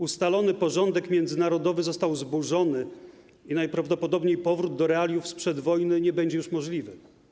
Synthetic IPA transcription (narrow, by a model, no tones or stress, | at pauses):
ust̪alɔnɘpɔʐɔnd̪ɛkmʲjɛnd̪zɘnaɾɔd̪ɔvɘzɔst̪awzbuʐɔnɘ | inajpɾavd̪ɔpɔd̪ɔbɲejpɔvɾud̪̚d̪ɔɾɛalʲjufspʂɛd̪vɔjnɘɲɛbɛɲd͡ʑɛjuʂmɔʐlʲivɘ